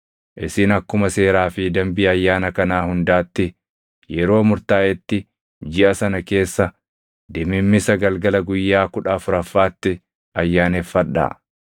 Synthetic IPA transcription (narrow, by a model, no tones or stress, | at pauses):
ʔɪsɪnɐkːʊmɐse̞ːɾaːfɪd̪ɐmbiːɐjːaːnɐkɐnaːhʊnd̪aːt̪ːɪ | jɛɾo̞ːmʊɾt̪aːʔɛt̪ːɪ | d͡ʒɪʔɐsɐnɐke̞ːsːɐ | d̪ɛmɪmːɪsɐɡɐlɡɐlɐɡʊjːaːkʊᶑɐfʊɾɐfːaːt̪ːɪ | ɐjːaːnefːɐɗa̰ː